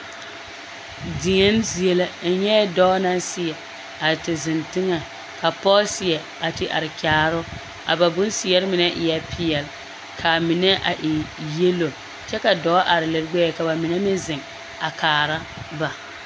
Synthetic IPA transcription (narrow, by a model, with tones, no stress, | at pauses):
dɪ˨ŋɛ˦nzi˨e˦la˦n̩˦ɲɛ˦dɔː˦na˦nsɪ˨jɛ˨ | a˨tɪ˨zɪ˨ntɪ˦ŋɛ˨ | ka˨pɔ˦sɪ˨ɛ˨ | a˨tɪ˨ʔa̰˨ɾɪ˨kaː˨ɾʊ˦ | a̰˨ba˨bʊ̃˦n˦sɪ˨jɛ˦ɾɪ˦mɪ˨nɛ˦ʔɪ˨jɛ˦pʰɪ˨˦ɛ˨l | kʰa˨mɪ˨nɛ˦ʔa˨ʔɪ˨je˦lo˨ | t͡ʃɛ˦ka˨dɔː˨˦a˦ʔa˨ɾɪ˨lɪ˨ɾɡ͡bɛ˦ɛ˨ka˨ba˨mɪ˨nɛ˦mɪ˦zɪ˨ŋ | a˨kaː˨ɾa˦ | ba˨